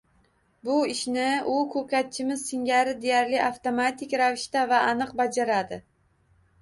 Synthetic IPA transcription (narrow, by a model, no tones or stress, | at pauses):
bʊɪʃnɪʊkʰɵkʲat̪̚t͡ʃʰɪmɪzsɪŋɡʲaɾɪd̪e̞jaɾlɪʔaft̪omat̪ʰɪkʲɾavɪʃt̪avaːnɨq̚bad͡ʒaɾad̪ɪ